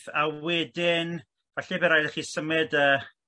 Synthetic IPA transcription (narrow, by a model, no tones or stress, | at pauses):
θawɛdɪn | vaɬɛbɛɾajdɛχiːsəmɪdəː